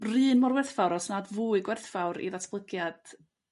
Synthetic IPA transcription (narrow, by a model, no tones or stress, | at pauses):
rɨːnmɔrwɛrθfawɾɔsnadvuːɨɡwɛrθfawɾḭðatʰb̥lˠəɡjad̥